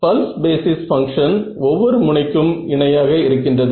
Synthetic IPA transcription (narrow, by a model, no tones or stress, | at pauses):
pɐlsbeːsɪsfɐŋkʂɐnɔʋːɔɾɯmʊɳɐɪkːɯmɪɳɐjaːɣɐɪɾɯkːɪndrɐðɯ